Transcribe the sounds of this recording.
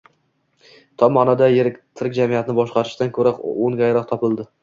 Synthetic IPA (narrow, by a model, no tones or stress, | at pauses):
t̪ʰɒmɒnɒd̪ajeɾɪkʲt̪ʰɪɾk̚ʲd͡ʒamijat̪nɪbɒʃqɑɾɪʃt̪ankʰɵɾaqoŋɡʲajɾɒq̚t̪ʰɒpɪlˠd̪ɪ